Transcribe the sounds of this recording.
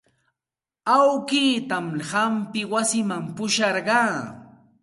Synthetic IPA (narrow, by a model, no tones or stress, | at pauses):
awkiːt̪amhampɪwasɪmampʊʃɑɾɢɑː